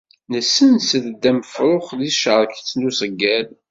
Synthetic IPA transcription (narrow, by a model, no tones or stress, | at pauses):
nəsːənsəðd̪ːæməfɾˤoχðiʃəɾˤkt͡sːndusəɡːæl